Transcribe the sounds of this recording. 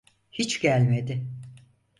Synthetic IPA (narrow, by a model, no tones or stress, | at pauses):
hit͡ʃɟælʲmed̪ɪ